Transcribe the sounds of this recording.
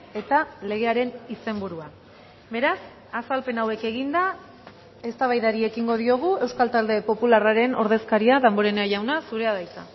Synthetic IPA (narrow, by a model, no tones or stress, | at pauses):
e̞t̪ale̞ɣ̞e̞aɾe̞nise̞mbuɾua | be̞ɾas | asalpe̞nawe̞ke̞ɣind̪a | e̞st̪aβ̞ajðaɾie̞kiŋɡo̞ðio̞ɣ̞ue̞wskalt̪ald̪e̞po̞pularaɾe̞no̞̰ɾðe̞skaɾiaðamboɾenaʝawnasuɾe̞aðajt͡sa̰